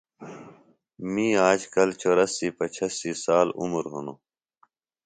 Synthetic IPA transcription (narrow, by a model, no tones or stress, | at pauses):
mĩːaːd͡ʑkɐlt͡ɕoːɾəsiːpɐt͡ɕʰɐsiːsaːlṵmɾɦunoː